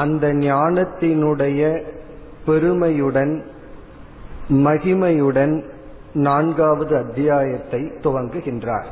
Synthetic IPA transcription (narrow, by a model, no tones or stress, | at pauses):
ɐnd̪ɐɲɪaːnɐt̪ːɪnɯɽɐjɐ | pɛɾɯmɐjɯɽɐn | mɐɣɪmɐjɯɽɐn | naːɳɡaːʋɐðɯɐd̪ːɪjaːjɐt̪ːɐɪt̪ːʊʋɐŋɡɯɣɪndra̰ːɾ